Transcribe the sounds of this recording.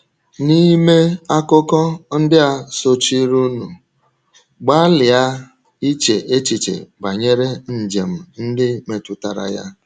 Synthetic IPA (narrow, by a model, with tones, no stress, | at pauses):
ni˦me˦a˦kʊ˦kɔ˦n̩˦dɪ˦a˨so˦t͡ʃi˦ɾu˦nu˨ | ɡ͡ba˦lɪ˨a˦ | i˦t͡ʃe˨ʔe˦t͡ʃi˨t͡ʃḛ˨ɡ͡ba˨ɲe˦ɾe˦n̩˨d͡ʒe˨m̩˨n̩˦dɪ˦me˨tʊ˨ta˨ɾa̰˨ja̰˦